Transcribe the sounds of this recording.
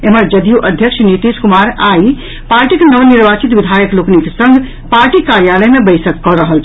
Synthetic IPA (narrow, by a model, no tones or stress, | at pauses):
eməɾd͡ʒəd̪juʔəd̪ʱjəkʃʰnit̪iskumaɾai | paɾʈikenəʋniɾbat͡ʃit̪ʋid̪ʱajəklokniksə̃ŋɡʱ | paɾʈikaɾjaləjmebəɪsəkːɔɾəɦəlt͡ʃʰ